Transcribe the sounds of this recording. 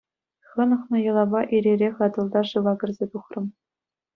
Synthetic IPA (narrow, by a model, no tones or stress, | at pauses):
χɤ̆nɤ̆χnɤ̆jɤ̆lˠɑbɑʔiɾʲerʲeχɑd̪ɤ̆lˠd̪ɑʂɯʋɑɡʲɘ̆rʲzʲet̪uχrɤ̆m